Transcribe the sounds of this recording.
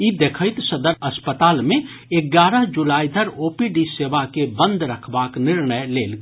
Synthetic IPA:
id̪eːkʰəɪt̪səd̪əɾɐspət̪aːlmẽ | eɡaːɾəɦd͡ʒulaːid̪ʱəɾoːpiɖiseːʋakebə̃nd̪ʱɾəkʰbaːknɪɾɳəjleːlɡ

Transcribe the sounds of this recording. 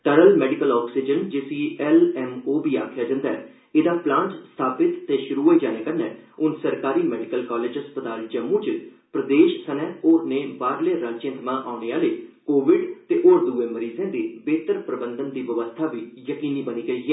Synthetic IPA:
ʈəɾəlmɛːɖɪkəlɔːksid͡ʒənd͡ʒesiːɛlɛːmoːbiːa̰ːkʰjaːd͡ʒãːnd̪aːɛː | ed̪aːplãːɳʈst̪ʰaːpɪt̪ːeːʃʊɾuːɦoːiːd͡ʒaːneːkənːɛ̃ːʊnsəɾkaːɾiːmɛːɖɪkəlkaːleːd͡ʒɦəspət̪aːld͡ʒəmːũːt͡ʃ | pɾəd̪eːʃsənɛ̃ːoːɾneːbaːɾleːɾaːt͡ʃɪ̃ːnt̪mãːʔaːʊneːaːləiːkoːʋɪɖt̪eːʔoːɾd̪uːẽːməɾiːzẽːd̪iːbeːt̪əɾpɾəbənd̪ənd̪iːʋəʋəst̪ʰaːbiːjəkiːniːbəniːɡəiːɛː

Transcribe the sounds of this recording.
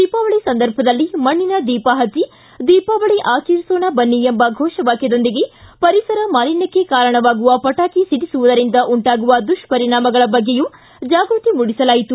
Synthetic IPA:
d̪iːpaːʋɐɭisɐnd̪ɐɾbʱɐd̪ɐlːimɐɳːinɐd̪iːpaɦɐt͡ʃi | d̪iːpaːʋɐɭeʔaːkiːɾsoːnabɐnːiembɐɡʱɔːʂɐʋaːked̪o̞nd̪iɡe̞pɐɾisɐɾɐmaːlinɐkːekaːɾɐɳɐʋaːɡuʋɐpɐʈaːkisiɽisuʋud̪ɐɾind̪ɐʔuɳʈaːɡuʋɐd̪uʂpɐɾiɳaːmɐɡɐɭɐbɐɡːeju | d͡ʒaːɡɾut̪imuɽisɐlaːjit̪u

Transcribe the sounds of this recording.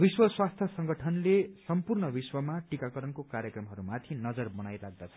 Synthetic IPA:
biswʌswast̪ʰjʌsʌŋɡʌʈʰʌnlesʌmpurnʌbiswʌmaʈikakʌɾʌnkokaɾjʌkrʌmɦʌɾumat̪ʰinʌd͡zʌrbʌnajlaɡ̚d̪at͡sʰʌ̥

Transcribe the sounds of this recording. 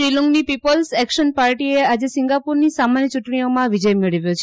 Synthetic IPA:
ɾiluŋɡnipipəlsɛkʃənpaɾʈiead͡ʒesiŋɡapuɾnisamanjət͡ʃuʈɳ̃iomãʋid͡ʒəjmeɭəʋjot͡ʃʰe

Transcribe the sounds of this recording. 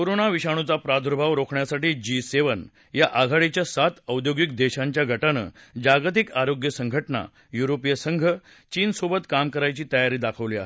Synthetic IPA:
koɾonaʋiɕaɽ̃ut͡sapɾad̪ʱuɾbʱaʋɾokʰɳjasaʈiːd͡ʑiseʋən | jaʔaɡʱaɽet͡ɕjasat̪əwd̪joɡikd̪eɕãɲt͡ɕjaɡʱəʈanə̰ | d͡ʑaɡt̪ikaɾoɡjəsəŋɡʱəʈna̰ | juɾopjəsəŋɡʱə | t͡ɕiːnsobət̪kamkəɾajt͡ɕiːt̪əjaɾiːd̪akʰəʋliːa̰ɦe

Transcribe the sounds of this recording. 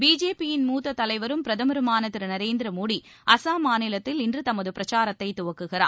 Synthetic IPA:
biːd͡ʒeːpijɪnmuːt̪ːɐt̪ːɐlɐɪʋɐɾɯmpɪɾɐðɐmɐɾɯmaːnɐt̪ːɪɾnɐɾeːnd̪ɪɾɐmoːɽi | ɐsaːmaːnɪlɐt̪ːɪlɪndrɯt̪ɐmɐðɯpɪɾɐt͡ʃaːɾɐt̪ːɐɪt̪ːʊʋɐkːɯɣɪra̰ːn

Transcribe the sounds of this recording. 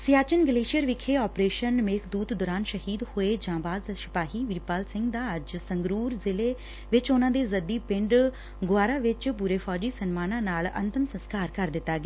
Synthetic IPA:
sɪjaːt͡ʃənɡəleːʃijəɾʋɪkʰeːɔːpɾeːʃənmeːkʰd̪uːt̪d̪ʊɾaːnʃəɦiːd̪hoːeːd͡ʒãːbaːzsɪ̥paːɦiːʋɪɾpaːlsɪ̃ŋɡd̪aːəd͡ʒsəŋɡɾuːɾzɪleː | ʋɪt͡ʃʊnãːd̪eːzəd̪iːpɪ̃ɳɖ | ɡʊaːɾãːʋɪt͡ʃpuːɾeːpʰɔːd͡ʒiːsənmaːnãːnaːlə̰̃nt̪əmsə̃nskaːɾkəɾd̪ɪt̪ːaːɡeː

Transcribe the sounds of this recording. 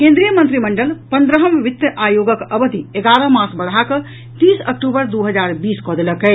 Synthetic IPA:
kẽnd̪ɾijəmə̃nt̪ɾiməɳɖəlpənd̪ɾəɦəmʋit̪jəʔajoɡəkəbəd̪ʱieɡaɾəmasbəɽɦakə | t̪isək̚ʈubəɾd̪uɦəd͡ʒaɾbiskɔd̪eləkə

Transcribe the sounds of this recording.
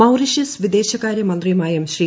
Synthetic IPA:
ɐwriʂisʋid̪eːɕɐkaːɾjɐmɐnd̪rimaːjɐmɕriː

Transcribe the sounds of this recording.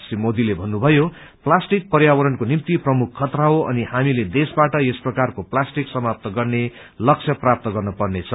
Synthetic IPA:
simod̪ilebʱʌnːubʱʌjo | plasʈik̚pʌrjawʌɾʌnkonimt̪iprʌmukʰːʌt̪raoʌ̰nihamiled̪esbaʈʌesprʌkarkoplasʈiksʌmap̚t̪ʌɡʌrne | lʌk̚sʰʌprap̚t̪ʌɡʌrnʌpʌrnet͡sʰʌ

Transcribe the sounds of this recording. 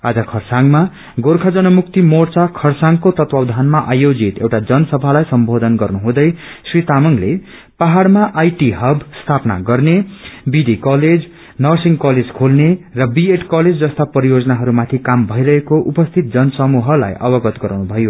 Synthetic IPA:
ad͡zʌkʰʌrsaŋma | ɡorkʰʌd͡zʌnʌmuk̚t̪imort͡sakʰʌrsaŋkot̪ʌt̪wawd̪ʱanmaʔajod͡zit̪ḛwʈad͡zʌnʌsʌbʱalajsʌmbʱod̪ʌnɡʌrnuɦũd̪ʌj | srit̪amʌŋle | paɦaɽmaʔajʈiɦʌbʱst̪ʰapna̰ɡʌrnebid̪ikʌled͡z | nʌrsiŋkʌled͡zkʰolnerʌbieʈkʌled͡zd͡zʌst̪apʌɾijod͡zʌnaɦʌɾumat̪ʰikambʱʌiɾʌɦekoʔupʌst̪ʰit̪̚d͡zʌnʌsʌmuɦʌla̰jʌbʌɡʌt̪ɡʌɾawnubʱʌjo

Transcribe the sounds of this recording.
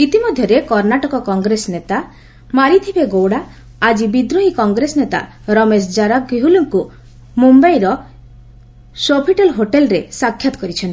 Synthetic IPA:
it̪imɔd̪ʱjɔɾekɔɾnaʈɔkɔkɔŋɡɾesɔnet̪a | maɾit̪ʰibeɡowɽa | ad͡ʒibid̪ɾoɦikɔŋɡɾesɔnet̪a̰ | ɾɔmesd͡ʒaɾak̚ɡiɦuluŋku | mumbajɾɔ | sopʰiʈelɦoʈelɾesakʰːjat̪ɔkɔɾit͡ʃʰɔnt̪i

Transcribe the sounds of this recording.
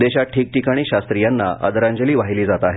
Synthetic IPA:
d̪eɕaʈʰiːk̚ʈikaɽ̃iːɕast̪ɾijanːaʔə̰d̪əɾaɲd͡ʑəliːʋaɦiliːd͡zat̪aɦe

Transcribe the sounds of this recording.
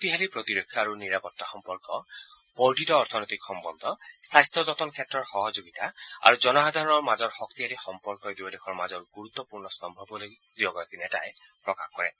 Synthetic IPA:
ot̪iɦalipɹɔt̪iɾekʰːjɔaɹuniɾapɔtːaxɔmpɔɹkɔ | pɔɖʱitɔːɹɾt̪ʰɔnɔt̪ikxɔmbɔnd̪ʱɔsajst̪ɔzɔt̪ɔnkʰjɛtɹɔɹxɔɦɔd͡ʒoɡit̪aa̰ɹud͡ʒɔnɔɦad̪ʱaɹɔnɔɹmazɔɹxɔk̚t̪iɦalixɔmpɔɹkɔd̪ibɔdekʰɔɹmazɔɹɡuɹut̪ːɔpuɹnɔsɔmbʱɔbɔloj | d̪ibɔkɔɹakinɛta̰j | pɹɔkaxkɔɹɛ̰

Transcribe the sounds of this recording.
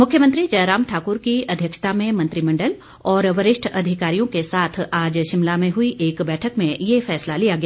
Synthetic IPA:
mʊkʰjəmə̃nt̪ɾid͡ʒɐjɾaːmʈʰaːkʊɾkiɐd̪ʱjəkʃt̪amẽmɐ̃nt̪ɾimɐ̃ɳɖəl | ɔːɾʋɐɾɪʃʈʰɐd̪ʱɪkaːɾijõkesaːt̪ʰaːd͡ʒʃɪ̃mlamẽɦʊiʔeːkbɛːʈʰəkmẽjefɛːslalijaɡɐjaː

